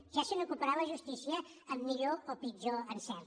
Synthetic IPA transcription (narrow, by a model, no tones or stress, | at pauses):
ʒ̥asənukupəɾaβəʒust̪isiəː | mːiʎoopid͡ʒoənsɛɾ